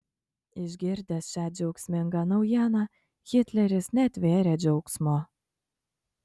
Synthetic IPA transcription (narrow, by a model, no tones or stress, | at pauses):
ɪʒʲɡʲɪɾʲd̪ʲɛsʃʲæːd͡ʒʲɛʊksʲmʲɪŋɡɑnɐʊjæːnɑ | xʲɪt̪ʲlʲɛɾʲɪsnʲɛt̪ʲʋʲeːɾʲɛːd͡ʒʲɛʊksmoː